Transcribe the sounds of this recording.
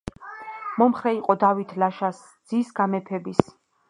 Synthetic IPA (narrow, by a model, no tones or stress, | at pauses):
mɔmχɾɛiqʼɔd̪avit̪ʰlaʃas | d̪z̥isɡamɛpʰɛbis